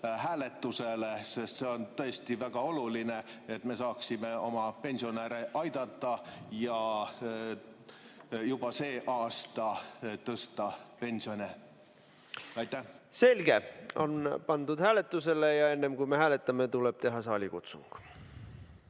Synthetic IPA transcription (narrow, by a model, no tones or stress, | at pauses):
hæːlet̪ːuselesest̪se̞o̞nt̪ɤest̪ivæɡ̥ɑo̞lulineet̪ːme̞sɑːksimeo̞mɑpe̞nʲsioneːɾeʔɑjd̪̥ɑt̪ːˑɑjɑ | jub̥ɑseːʔɑːst̪ɑt̪ɤst̪ɑpe̞nʲsio̞nʲe | ɑjt̪ːæhse̞lɡ̥eo̞̰npɑnd̪ud̪̥hæːle̞t̪ːˑuse̞lejɑe̞nːemkuimehæːlet̪ːˑɑmet̪uleb̥t̪e̞ɦɑsɑːlʲikut̪sṵŋɡ̥